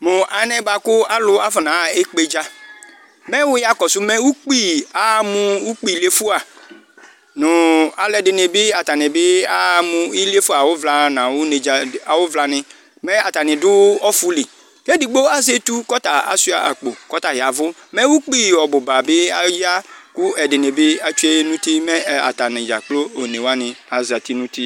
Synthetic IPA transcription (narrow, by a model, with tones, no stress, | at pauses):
mʊ˨ʔa˨˦nɛ˦ba˨kʊ˦a˦lʊ˦a˦fɔ˨nã˨e˦k͡pe˦d͡ʒa˦ | mɛ˦wʊ˦ja˦kɔ˨sʊ˦mɛ˦wu˦k͡pi˦a˨˦mʊ˦u˦k͡pi˦˨le˦fʊ˦a˨ | nʊ˨a˨lɛ˨dɪ˨nɪ˨bɪ˦a˨ta˨nɪ˨bɪ˦a˦mʊ̃˨i˦le˦fu˦a˨wʊ˦vla˨nã˨wʊ˦ne˨d͡ʒa˨a˨wʊ˦vla˨nɪ˨ | mɛ˦a˨t̪a˨nɪ̃˨dʊ˦ɔ˦fʊ˦li˨ | ke˦di˨ɡ͡bo˦a˦ze˦t̪u˦kɔ˦t̪a˨a̰˨si˦a̰˨ʔa̰˨k͡po˨kɔ˦t̪a˨ɦɪ˨a˨vʊ˦ | mɛ˦wu˦k͡pi˦˨wɔ˨bʊ˨ba˨bɪ˦a˦ji˦a˦kʊ˦ɛ˨dɪ˨ne˨bɪ˦a˨t͡ʃu˦e˦nũ˦t̪i˦mẽ˦˨a˨t̪a˨nɪ̃˨d͡ʒa̰˨k͡plo˦o˨ne˨wa˦nɪ̃˨a˨za˨t̪i˦nũ˦t̪i˦